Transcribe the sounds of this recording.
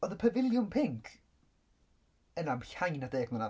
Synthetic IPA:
ɔðəpʰəvɪlˠjʊmpʰɪŋkʰ | ənamɬajnadeːɡməna

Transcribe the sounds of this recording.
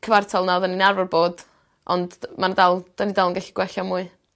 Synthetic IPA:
kʰəvartʰɔlˠnaðəninarvɔrboːd̥ | ʔɔ̰ndmandalˠd̥anidalˠənŋɡaɬi̥ɡ̥wɛɬamuːɨ

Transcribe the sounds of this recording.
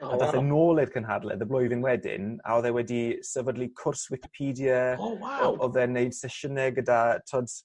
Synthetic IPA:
adaθɛnoːlˠɪrkʰənɦa̰dlˠɛ̰ðəblˠʊjvɪnwɛdɪ̰na̰ɔðɛwɛdisəvədlikʰʊrswɪkɪ̥pʰiːdijə | ɔðɛneɨd̥sɛʃənɛɡədatʰɔd

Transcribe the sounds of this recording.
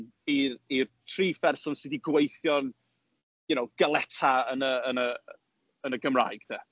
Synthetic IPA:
irirtʰriːfɛrsɔnsɪdiɡwejθjɔn | ʊnowɡ̥əlˠɛtʰaənəːnə | ənəɡəmra̰jɡ̥dɛ

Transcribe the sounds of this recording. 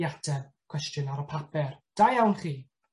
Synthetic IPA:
atʰɛkʰw̥ɛstjənaɾəpʰapɛrd̥ajawnχiː

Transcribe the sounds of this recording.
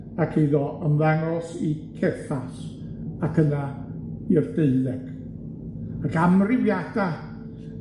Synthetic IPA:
akʰiðɔʔəmðaŋɔsikʰɛθas | akʰəna | ird̥eɨlɛɡ̥ | akamrɪvjad̥a

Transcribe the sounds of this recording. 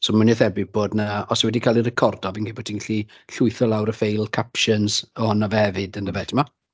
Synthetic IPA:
somʊnɪθɛbɪb̥oːdnaɔsɔwɛdikʰaːlˠirɛkʰɔrdɔvinkebɔ̥tʰinŋɡaɬi | ɬʊɨθɔlˠawɾəfejlˠkʰapʃənzəhɔnavɛvɨdəndəvɛtʰɪma

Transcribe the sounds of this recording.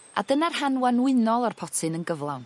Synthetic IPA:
a̰dənarhanwanwɪnɔlˠarpʰɔtʰɨnənɡəvlˠa̰wn

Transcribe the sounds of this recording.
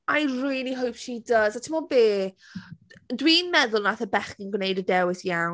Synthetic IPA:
ajriːlˠiɦowpʃidəzatʰɪmɔbeː | dwiːnmɛðʊlˠnaθəbɛχkənɡwnejdədɛwɪsjaw

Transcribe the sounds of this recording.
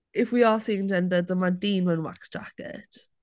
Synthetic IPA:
ɪfwiaθɪŋzɛndəd̪ðəmadiːnwənwa̰ksd͡ʒ̥a̰kɛ̰t

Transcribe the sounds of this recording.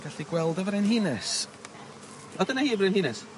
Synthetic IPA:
ɡ̥aɬiɡwɛlˠdəvəɾɪnɦiːnɛs | ɔdənahiːvɾenhiːnɛs

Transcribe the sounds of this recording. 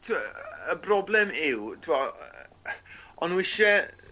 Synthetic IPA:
tʰəbrɔblɛmɪwtʰɪa | ɔnwɪʃɛ

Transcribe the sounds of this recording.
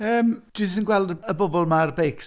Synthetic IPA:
əːmd̥ɪsənɡwɛlˠdəəbɔbɔlˠmarbejks

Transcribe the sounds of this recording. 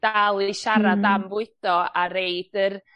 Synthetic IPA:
d̥alˠiʃaɾadamvʊɨθɔaɾeɨd̥ər

